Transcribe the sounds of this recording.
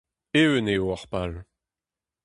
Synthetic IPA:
ewəneoaʁpal

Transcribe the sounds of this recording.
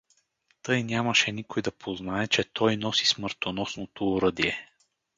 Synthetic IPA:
t̪ɤjnʲjamɐʃɛnikojd̪ɐpʰoznaɛt͡ʃɛt̪ʰɔjnɔsi̥smɤɾt̪onɔsnot̪oːɾɤd̪iɛ

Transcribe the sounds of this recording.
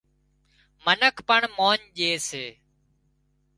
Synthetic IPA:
mənəkʰpəɳmoːɲʄeːseː

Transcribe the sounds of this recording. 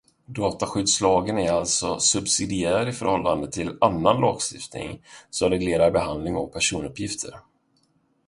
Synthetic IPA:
d̪ɑːt̪aɧʏd̪slɑːɡənæɾalt̪sɔsɵbsɪd̪ɪæːɾaɾɪfœɾhɔlːand̪ət̪ʰɪlanːanlɑ̰ːɡst̪ɪft̪nɪ̰ŋsɔmɾɛɡleːɾaɾbɛɦand̪lɪŋɔk̚pʰæʂuːnɵpːjɪft̪ʰə̰ɾ

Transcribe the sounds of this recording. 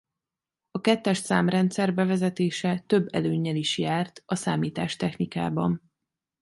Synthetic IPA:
ɒkɛt̪ːɛʃsaːmrɛnt̪sɛrbɛvɛzɛt̪eːʃɛt̪øbːɛ̰løːɲːɛliʃjaːrt̪ɒsaːmiːt̪aːʃt̪ɛxnika̰ːbɒ̰n

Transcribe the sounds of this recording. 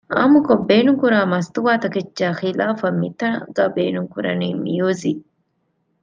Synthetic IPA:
ʔɐ̰mʊkɔbeːnʊŋkʊɾaːmɐst̪ʊwaːt̪ɐkɛt͡ʃːaːxilaːfɐmɪt̪ːɐɡɐbḛːnʊŋkʊɾɐ̰niːmɪ̰joːzi

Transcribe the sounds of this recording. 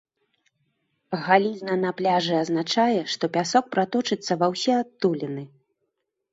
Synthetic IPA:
ɣalʲiznɐnaplʲaʐɨaznat͡ʂajɛʂt̪ɔpʲasɔk̚pɾat̪ɔt͡ʂɨt̪sːɐvawsʲɛat̪ːulʲinɨ

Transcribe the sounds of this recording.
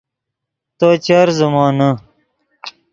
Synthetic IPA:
t̪oːt͡ɕɐɾzumãːnɐ

